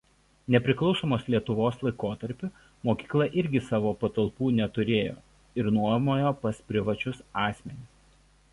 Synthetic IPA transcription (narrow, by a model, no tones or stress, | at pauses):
nʲɛpʲɾʲɪklˠɒʊsoːmoːslʲiɛt̪ʊʋoːslˠɐɪkoːt̪ɐɾʲpʲʊ | moːkʲiːklˠɐʔɪɾʲɡʲɪsɑːʋoːpɐt̪ɐlˠpuːnʲɛt̪ʊɾʲeːjo̰ː | ɪɾnuɔmoːjoːpɐspʲɾʲɪʋɐt͡ʃʲʊsɑːsʲmʲɛnʲɪs